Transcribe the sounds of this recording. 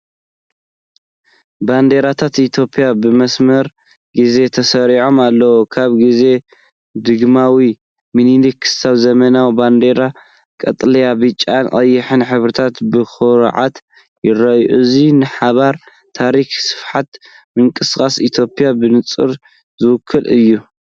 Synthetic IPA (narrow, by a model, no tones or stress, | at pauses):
band̪e̞ɾat̪ʰat̪it̪ʰjo̞pʰʼijabɨmɐsmɐɾ | ɡize̞t̪ʰɐsɐɾiʕo̞malːɐwokʰaβɡize̞ | d̪ɨɡmawi | minilikʰɨ̥saβzɐmɐnawband̪e̞ɾa | kʼɐt̪ʼlɐjabɨt͡ʃʼːankʼɐjːɨħɨnħɨβɾɨt̪ʰat̪bɨxɨɾ̰ʕa̰t̪ | jɪrɐjʔuzinɨħaβaɾ | t̪ʰaɾixsɨ̥fħat̪ | mɨŋkʼɨskʼasit̪ʰjo̞pʼijabɨnɨt͡sʼɨ̰ɾ | zɨwʊkʰːɨlɨjːu